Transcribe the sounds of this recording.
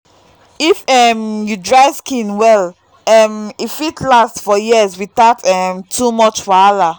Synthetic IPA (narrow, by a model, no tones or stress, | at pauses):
ifɛmjudɹaɪskĩnwɛl | ɛmifitʰlastfɔjiəzwitatɛmtʰumɔt͡ʃfala